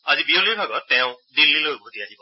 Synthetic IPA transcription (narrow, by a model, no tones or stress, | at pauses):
azibioliɹbʱaɡɔtːɛʊ̃dilːilojʊbʱutiaɦibɔ